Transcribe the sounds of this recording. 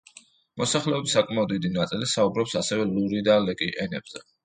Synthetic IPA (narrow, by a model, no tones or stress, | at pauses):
mɔsaχlɛɔbisakʼmaɔd̪id̪inat̪sʼilisaubɾɔpsasɛvɛluɾid̪alɛkʼiʔɛnɛb̥zɛ